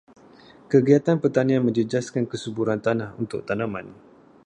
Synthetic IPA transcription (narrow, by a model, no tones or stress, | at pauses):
kəɡiat̪anpərt̪anianmə̃ɲd͡ʒəd͡ʒaskankəsəbuɾant̪anahunt̪ʊ̰k̚t̪anãmãn